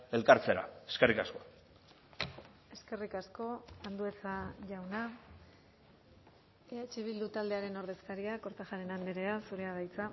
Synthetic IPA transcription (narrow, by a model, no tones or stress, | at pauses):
e̞lkaɾt͡seɾa̰eskerikasko̞̥ | e̞ske̞rikasko̞and̪ue̞t͡saʝawna | eat͡ʃeβ̞ild̪ut̪ald̪e̞aɾe̞no̞ɾð̞e̞skaɾiako̞ɾt̪aʝaɾe̞nand̪eɾe̞asuɾe̞aɣajt͡sa